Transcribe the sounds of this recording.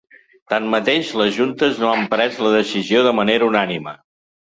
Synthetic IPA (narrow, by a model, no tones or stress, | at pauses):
t̪anmət̪eʃləzʒunt̪əznoampɾɛzləðəsizioðəməneɾəunanimə̰